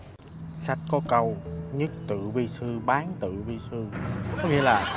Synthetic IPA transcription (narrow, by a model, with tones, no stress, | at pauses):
sa˦˥jk̟̚kɔ˨˦kə˧wɲɨ˦˥k̚t̪ɨ̰˧˨vi˧sɨ˧ɓaː˨˦nt̪ɨ̰˧˨vi˧sɨ˧kɔ˨˦ŋḭ˧˨əlaː˨˩